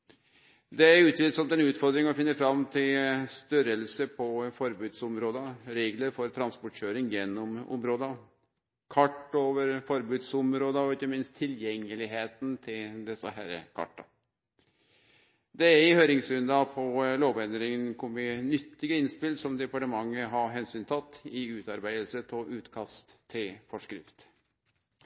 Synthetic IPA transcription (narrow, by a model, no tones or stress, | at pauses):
d̪ɛæɾʉːt̪ʋɪlsɔmt̪ɛnʉːt̪fɔɾd̪ɾɪŋɔfɪnːəɾfɾɑmt̪ʰɪlst̪œɾəlsəpʰɔfɔɾbʉːd̪sʊmɾoːd̪əɾeːɡləɾfɔɾt̪ʰɾɑnspɔʈɕøːɾɪŋjɛnːʊmʊ̰mɾoːd̪ə | kʰɑʈːoːʋəɾfɔɾbʉːd̪sʊmɾoːd̪əɔɪçːəmɪnst̪ʰːɪljɛŋːəlɪɦeːt̪n̩t̪ʰɪld̪ɛsə̰ɦæɾə̰kʰɑ̰ʈːɑ | d̪ɛæɾɪhøːɾɪŋsɾʉnd̪ɑpʰɔloːʋɛnd̪ɾɪŋənkʰʊmɪnʏt̪ːɪɡəɪnspɪlsɔmd̪ɛpɑʈəmɑŋːəɦɑɦɛnsyːnt̪ʰɑt̪ʰːɪʉːt̪ɑɾbæɪd̪əlsət̪ʰɔʔʉːt̪kʰɑst̪ʰːɪlfɔʂkɾɪ̰ft̪